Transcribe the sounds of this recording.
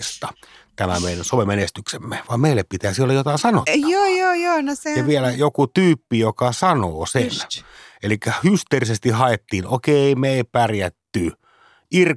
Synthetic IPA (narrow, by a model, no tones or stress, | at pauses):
st̪ɑ | t̪æmæmeˑinænsomemenest̪yksemːeʋɑːmmeˑilːeppit̪æːsiolːɑjot̪ɑˑinsɑno̰tːoːjoːjoːnoseeʋielæjokut̪yːpːijokɑsɑnoːsenelikːæhyst̪erisest̪ihɑet̪ːiːnokeimeipærjæt̪ːy | ʔir